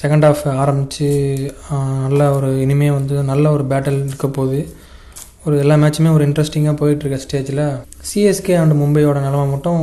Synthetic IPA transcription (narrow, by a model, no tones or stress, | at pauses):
sɛkɐɳɖaːfaːɾɐmbɪt͡ʃːɯ | nɐlːɐɔɾɯɪnɪmɐjɐʋɐnd̪ɯnɐlːɐɔɾɯbaːʈːɐlɪɽɯkːɐpoːðɯ | ɔɾɯɛlːaːmɛːt͡ʃːɐmeːɔɾɯɪɳɖɾɐsʈɪŋɡaːpoːjɪʈːɾɯkːɾɐsʈeːd͡ʒɪlɐ | siɛskeɐnɖ̪ɯmʊmbɐɪoːɽɐnɐlɐmaːmɐʈːʊ̃